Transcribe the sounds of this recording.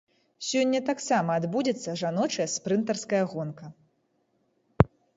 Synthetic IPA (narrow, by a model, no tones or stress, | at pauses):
sʲɔnʲːɐt̪aksamɐːd̪bud͡zʲɐt̪sːɐʐanɔt͡ʂɐjɐspɾɨnt̪ɐrskɐjɐɣɔnkɐ